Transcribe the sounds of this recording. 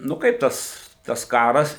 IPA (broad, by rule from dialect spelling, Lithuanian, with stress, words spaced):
nʊ ˈkɐɪp tɐs tɐs ˈkɑːrɐs